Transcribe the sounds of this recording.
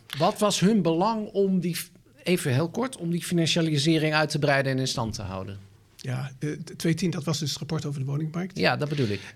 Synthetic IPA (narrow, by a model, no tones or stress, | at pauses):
ʋɑtʋɑsɦɵnbəlɑŋɔmdi | ejvənɦeːlˠkɔɹtʰɔmdifinɑnʃalizɪːrɪŋœɥtəbrɛjdənɛnɪnstɑntʰəɦa̰wdə̰n | jatʋejtindɑtʋɑsdɵsrapɔɹtowvəɹdəʋownɪŋmɑjk̚tjadɔd̚bədulˠɪk